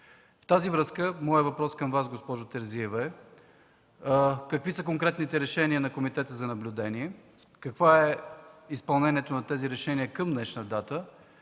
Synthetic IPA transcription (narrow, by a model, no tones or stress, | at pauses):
ft̪azivɾɤskəmɔjəvɐpɾɔskɐmvas̬ɡospɔʒʊt̪ɛɾziɛvɛ | kɐkvisək̬oŋkɾɛt̪nit̪ɛɾɛʃɛniənɐkomit̪ɛt̪əzɐnɐblʲʊd̪ɛniɛ | kɐkvoɛispɐlˠnɛnʲiɛt̪onɐt̪ɛziɾɛʃɛniəkəmnɛʃnəd̪at̪ə